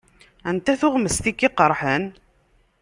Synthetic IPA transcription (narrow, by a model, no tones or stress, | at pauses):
ænt̪æθʊʁməst̪ikːiqəɾˤħən